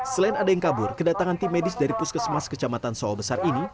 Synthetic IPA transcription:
səlaɪnadajaŋkabʊrkədat̪aŋant̪imedɪsdaɾipʊskəsəmaskət͡ʃamat̪ansɔɔbəsarini

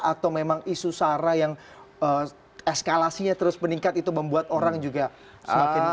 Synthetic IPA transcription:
at̪awmemaŋisusaɾajaŋ | əː | eskalasiɲat̪əɾʊspəniŋkat̪it̪uməmbuat̪oɾaŋd͡ʒuɡa | səmakɪn

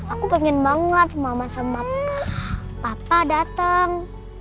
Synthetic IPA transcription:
akupɛŋɛnbaŋət̪̚mamasamap̚ | papadat̪əŋ

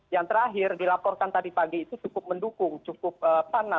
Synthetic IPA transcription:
jaŋt̪əɾaɦɪrdilapɔrkant̪adipaɡiːt̪ut͡ʃukʊp̚məndukʊŋt͡ʃukʊp̚əpana

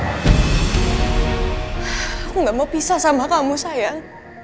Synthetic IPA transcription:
kuŋɡamapisasamakamusajaŋ

